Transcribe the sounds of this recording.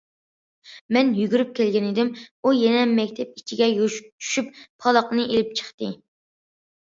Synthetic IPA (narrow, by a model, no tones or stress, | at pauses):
mɛnjyɡʲyɾyp̚kʲʰɛlɡʲɛnɪd̪ɪmujɛnɛmɛkʲt̪ʰɛp̚i̥t͡ʃʰiɡʲɛjot͡ʃʰy̥ʃypːʰɑlˠɑqnɨʔelɪp̚t͡ʃʰə̥χt̪ɨ